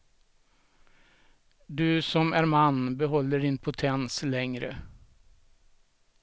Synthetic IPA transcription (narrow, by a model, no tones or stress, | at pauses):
d̪ʉːsɔmæːɾmɑnbəɦɔlːəɖɪnpʰʊt̪ʰɛnslɛŋɾə̰